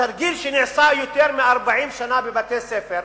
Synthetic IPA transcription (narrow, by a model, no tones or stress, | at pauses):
ɐɾɡilʃinɪʕsajut̪eɾmeɐɾbaʕiːmʃɐnabebat̪esefeɾ